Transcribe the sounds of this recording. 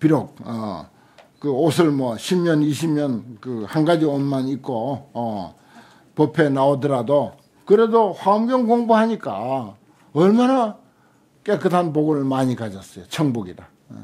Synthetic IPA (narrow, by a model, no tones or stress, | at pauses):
piɾok̚ʌ | kɯosʰɯɭmwʌɕʰimɲʌniɕʰimɲʌnkɯhanɡad͡ʑionmanik͈oː | pʌpʰe̞naodɯɾado | kɯɾe̞dohwamɡjʌŋɡoŋboɦaɲik͈a | ʌɭmana | k͈e̞k͈ɯtʰanp̬oɡɯmaɲikad͡ʑʌs͈ʌjot͡ɕʰʌŋboɡida